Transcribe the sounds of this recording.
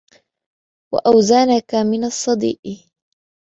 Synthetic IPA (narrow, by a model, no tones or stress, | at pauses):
wa̰ʔawzanakamɪnasˤːɑd̪ḭːʔ